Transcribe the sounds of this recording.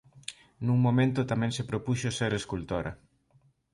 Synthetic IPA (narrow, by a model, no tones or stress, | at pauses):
nuŋmõmẽnt̪ʊt̪amɛ̃ŋsepɾopuʃoseɾeskult̪oɾʔɐ̰